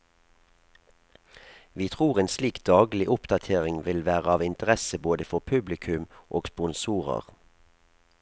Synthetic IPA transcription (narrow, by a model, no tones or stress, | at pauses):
ʋiːt̪ʰʁuːʁeːnsliːkd̪ɑːɡlɪʔʊpd̪ɑt̪ʰeːʁɪŋʋɪlʋæːʁəɑːʋɪnt̪əʁɛsəboːd̪əfɔʁpʰʉblɪkʰʉmʔoːɡ̥spʊnsuːʁə̰ʁ